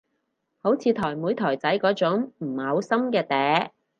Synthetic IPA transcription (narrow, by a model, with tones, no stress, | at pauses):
ho˨˥wt͡sʰiː˨˧t̪ʰɔː˨˩jmuː˨˥jt̪ʰɔː˨˩jt͡sɐ˨˥jkɔː˨˧˥t͡sʊ˨˥ŋm̩ː˨˩hɐ˨˧wsɐ˥mkɛː˧t̪ɛː˨˥